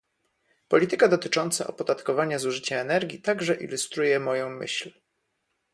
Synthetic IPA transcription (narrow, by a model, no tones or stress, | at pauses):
pɔlʲit̪ɘkad̪ɔt̪ɘt͡ʂɔnt̪sa̰ʔɔ̰pɔd̪at̪kɔvaɲazuʐɘt͡ɕaɛnɛɾɡʲit̪aɡʐɛʔḭlust̪ɾujɛmɔjɔ̃w̃mɘ̰ɕl